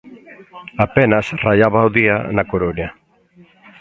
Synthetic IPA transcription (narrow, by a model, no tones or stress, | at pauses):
apɛnasraʎaβawðia̰nakoɾonja